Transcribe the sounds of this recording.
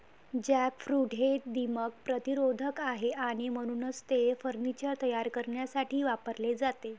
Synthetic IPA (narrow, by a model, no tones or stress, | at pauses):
d͡ʑækfɾuʈɦeʈ̚d̪imək̚pɾət̪iɾod̪ʱəkaɦeʔaɽ̃im̤əɽ̃uːnəst̪efəɾnit͡ɕəɾt̪əjaɾkəɾɳjasaʈʰiːʋapəɾled͡zat̪e